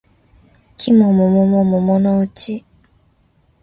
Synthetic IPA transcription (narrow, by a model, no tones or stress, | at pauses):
kʰimɔ̃mɔ̃mɔ̃mɔ̃mɔ̃mɔ̃nɔot͡ʃi